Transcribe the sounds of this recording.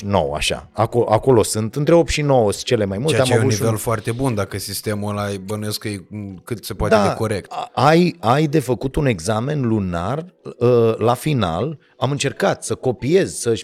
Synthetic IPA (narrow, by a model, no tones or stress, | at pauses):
no̞̰wa̰ʃa̰akoʔako̞lo̞sɨnt̪ɨnt̪ɾeo̞p̪ʃino̞wəst͡ʃe̞le̞majmulamauivelfoart̪e̞bund̪akəsist̪e̞mulajbənujeskəjekɨt̪se̞poatd̪eaeko̞ɾek̚t̪ajajd̪e̞fəkut̪une̞ɡzame̞nlunarəlafina̰l | amɨnt͡ʃe̞rkat̪səko̞pie̞zsəʃ